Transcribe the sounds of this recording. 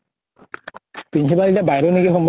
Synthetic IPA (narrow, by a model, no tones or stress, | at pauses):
pinsipalitabajɾonikixɔmbʱ